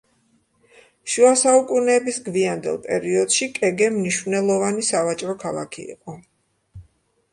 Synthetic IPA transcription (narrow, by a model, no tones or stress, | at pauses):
ʃuasaukʼunɛːbisɡviand̪ɛ̰lˠpʼɛ̰ɾiɔd̪ʃikʼɛɡɛmniʃvnɛlˠɔvanisavat͡ʃʼɾɔkʰalˠa̰kʰḭḭqʼɔ